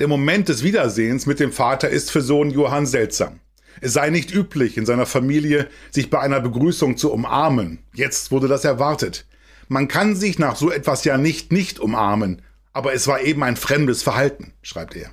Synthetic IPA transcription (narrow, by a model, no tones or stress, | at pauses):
d̥eːɐmomɛnt̚d̥ɛsv̥iːdɐzeːənsmɪt̚d̥eːmfaːtɐɪ̰stfyːɐzoːnjoːɦanzɛltz̥a̰ːm | ʔɛsz̥aɪnɪçtʔyːpʰlɪçɪnzaɪnɐfamiːljəz̥ɪçb̥aɪʔaɪnɐbəɡʁyːsʊŋt͡suʊmʔa̰ɐmənjɛt͡stv̥ʊɐdədasɛɐvaɐtət | mankʰanzɪçnaːχz̥oːɛtv̥asjaːnɪçtnɪçtʔʊmʔa̰ɐmən | ʔaːbɐɛsv̥aːɐʔeːbm̩aɪnfʁ̥ɛmdəsfɛɐhaltn̩ʃʁ̥aɪp̚tḛːɐ